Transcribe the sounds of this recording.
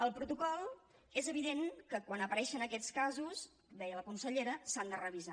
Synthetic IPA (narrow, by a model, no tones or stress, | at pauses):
əlˠpɾut̪ukɔlˠ | ezəβiðeŋkəkwanəpəɾɛʃənəkɛt͡skazus | d̪ɛjələkunsəʎeɾəsand̪ərəβiza